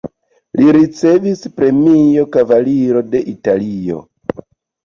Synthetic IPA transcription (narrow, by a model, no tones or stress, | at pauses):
liɾit͡se̞vispɾe̞mijo̞kavaliɾo̞de̞ʔitalio̞̰